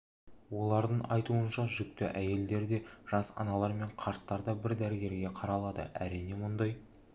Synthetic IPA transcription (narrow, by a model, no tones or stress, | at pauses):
wo̞lˠɑɾd̪əɴɑjt̪uənʃɑʒʏk̚t̪ɪ̰ʔæje̞ld̪e̞ɾd̪e̞ʒ̥ɑsɑ̰nɑlˠɑɾme̞ɴqʰɑɾt̪ːɑɾd̪ɑbɪɾd̪æɾɡʲe̞ɾɡʲe̞qʰɑɾɑlˠɑd̪ə̰ʔæ̰ɾijne̞mʊnd̪ɑj